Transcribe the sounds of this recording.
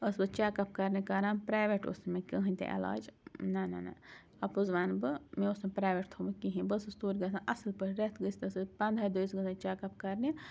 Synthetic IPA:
əsbɨt͡ʃaːkɐp̚kɐɾnikɐɾãːnpɾaːjʋeʈo̰smekəɦɨ̃nʲt̪ḛʔɐ̰la̰ːd͡ʒnana̰na̰ | ɐpuzʋaːnbɨmẽosmepɾaːjʋeʈt̪ʰomkiɦĩbəsɨst̪uːɾʲɡɐsãʔɐsɨlpəɾʲɾet̪ʰɡəsʲt̪ɐsɨpɐ̃nd̪ʱaːd̪ujsɡɨsãt͡ʃaːkɐp̚kɐɾni

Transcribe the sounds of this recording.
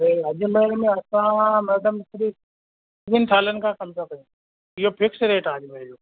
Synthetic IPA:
ɾeɐʄmeːɽmẽɐsãmɐd̪əmɪsɾiːf | ɪnt̪ʰaːlənɪ̆kʰãːkɐmzʰakɐjũ | ɪɦopʰɪksɾeːʈaːd͡ʑɪmejoː

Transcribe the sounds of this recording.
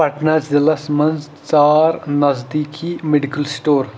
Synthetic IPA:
pɐʈnazɪlɐsmɐnz | t͡ʃaːɾnɐzd̪iːkʰimeɖikəlsʈoːɾ

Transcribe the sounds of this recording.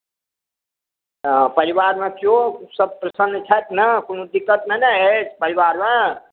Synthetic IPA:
pəɾiwaɾmãkjosəb̚pɾəsənt͡ʃʰat̪nəkonũd̪ikːət̪nənaɦet͡ʃʰpəɾiwaɾmã

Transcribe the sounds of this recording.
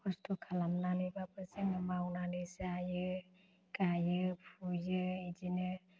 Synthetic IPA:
kʰɔstʰɔkʰalamnanɯjbapɯsenɯmawnanɯsajɯ | kajɯpʰujɯid͡ʒinɯ

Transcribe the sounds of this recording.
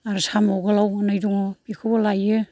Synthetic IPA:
aɾsamɔɡalawɯnajduŋbikʰɯbalajɯ

